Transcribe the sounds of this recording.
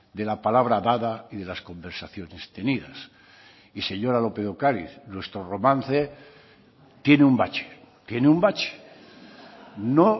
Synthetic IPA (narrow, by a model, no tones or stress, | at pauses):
d̪e̞lapalaβ̞ɾaðaðaiðe̞lasko̞mbeɾsaθjo̞nest̪e̞niða̰s | ise̞ɲo̞ɾalo̞pe̞ðokaɾḭθnwe̞st̪ɾoro̞mãnθe | t̪je̞neumbat͡ʃe̥ | t̪je̞neumbat͡ʃe̥ | no